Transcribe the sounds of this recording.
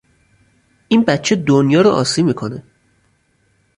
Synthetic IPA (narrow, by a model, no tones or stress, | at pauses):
ʔiːnbætt͡ʃʰed̪onjɒːɾoʔɒ̰ːsiːmiːkʰo̞ne